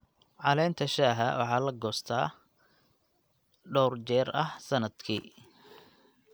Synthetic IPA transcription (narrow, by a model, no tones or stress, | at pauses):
ʕɑlɛːnt̪ʰɐʃaːɦɐ̰wɑ̰ħɑːlɐɡɔːst̪ʰaː | ɖɔwrt͡ʃɛːrɐhsɐnɐd̪kʰiː